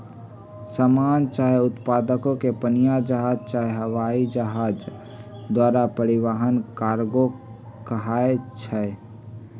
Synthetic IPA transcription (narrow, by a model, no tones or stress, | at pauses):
samaːnt͡ʃaːɦeʊt̪paːd̪əkõkepənijad͡ʒəɦaːd͡ʒt͡ʃaɦeɦəʋaid͡ʒəɦaːd͡ʒ | d̪waːɾapəɾɪʋaɦənkaːɾɡo | kəɦaːet͡ʃʰɛ